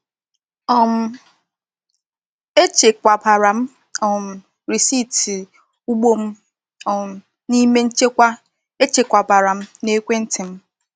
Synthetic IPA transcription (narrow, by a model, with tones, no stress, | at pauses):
ɔ˨m̩˨ | e˦t͡ʃe˨kʷa˨ba˨ɾa˨m̩˦ | ɔ˨m̩˨ | ɾi˨si˦˨ti˨ | u˦ɡ͡bo˦m̩˦ | ɔ˨ | ni˦me˦n̩˦t͡ʃe˦kʷa˦ | e˦t͡ʃe˨kʷa˨ba˨ɾa˨m̩˦ne˦kʷe˦n̩˦tʰɪ˨m̩˦